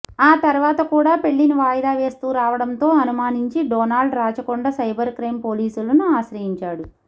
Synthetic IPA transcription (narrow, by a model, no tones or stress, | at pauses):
aːt̪ɐɾuʋaːt̪ɐkuːɽaːpe̞ɭːinuʋaːjɐd̪aːʋe̞ːst̪uːɾaːʋɐɽɐnt̪o̞ːɐnumaːniɲt͡ʃiɖɔːnaːlɖɾaːt͡ʃɐkoɳɖɐsɐjbɐɾkɾɐjmpo̞ːliːsulɐnuaːʃɾɐɦiɲt͡ʃaːɽu